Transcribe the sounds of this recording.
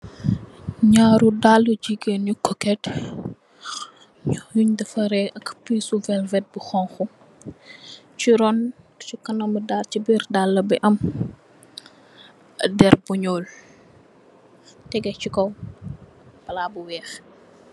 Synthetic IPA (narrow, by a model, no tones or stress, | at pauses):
ɲaːɾudalːud͡ʒiɡenɲukɔkɛt | juɲdɐfɐɾɛʔɐkpiːsuvɛlvɛt̚buxɔŋxu | t͡ʃiɾɔn | sukɐnɐmədaːrt͡ʃibirdalːɐbiʔɐm | dɛrbuɲɔːl | tɛɡɛt͡ʃikɔw | b̥ɐlaːbuwɛːx